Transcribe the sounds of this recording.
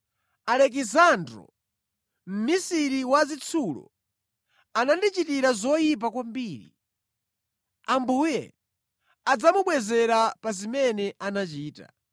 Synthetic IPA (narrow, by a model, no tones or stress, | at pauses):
alɛk̬izandɾɔ̰ | m̩misiɾiwazit͡sʰulɔ̰ | anandit͡ʃitiɾazɔjip̬akwambiːɾḭ | ambuːjɛ̰ | ad͡zamuɓwɛzɛɾapazimɛnɛʔanat͡ʃiːta̰